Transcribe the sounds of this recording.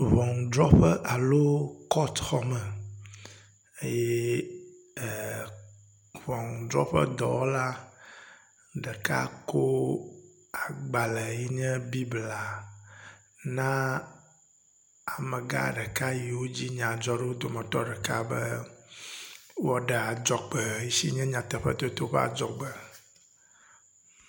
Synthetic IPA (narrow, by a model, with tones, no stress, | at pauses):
vɔ˨ŋ˨d̪ɾɔ˦ɸɛ˦ʔa˨lo˦kɔ˦t̪xɔ˦mɛ˨ | e˦jɛ˦˨ | vɔ̃˨ŋ˨dɾɔ˦ɸɛ̰˦d̪ɔ̰˨wɔ˦la˦ | ɖɛ˨ka̰˦ko˦ | a˨ɡ͡ba˨lɛ˨ji˦ɲɛ̃˦bi˦bla˨ | nã˦ | a˨mɛ̃˨ɡa̰˦ɖɛ˨ka˦ji˨wo˦d͡ʑi˦ɲã˨d͡ʒɔ˦ɖe˦wo˦d̪o˨mɛ̃˨t̪ɔ˦ɖɛ˨ka̰˦bɛ˦ | wɔ˦ɖɛ˨a˨d͡ʒɔ˨k͡pə˨ji˦si˦ɲɛ̃˦ɲã˨t̪ɛ˨ɸɛ̰˦t̪o˦t̪o˦ɸɛ̰˦a̰˨d͡ʒɔ̰˨ɡ͡bɛ˨